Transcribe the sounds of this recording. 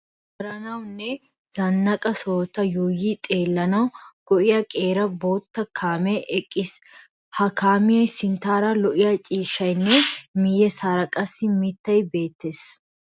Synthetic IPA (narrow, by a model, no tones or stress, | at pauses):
wɔɾɐnɐwnːɛ | z̥ɐnːɐkʼɐsoːt̪ɐjuːjiːt̪ʼe̞ːlːɐnɐwɡ̥ɔʔɪjɐkʼeːɾɐboːt̪ːɐkʰaːmɛʔɛkʼːɪs | hɐkaːmɪjɐsɪnt̪aːɾɐlɔʔɪjɐt͡ʃʼiːʃːɐjnːɛmɪjɛsaːɾɐkʼɐsːɪmɪt̪ːɐjbe̞ːt̪ːes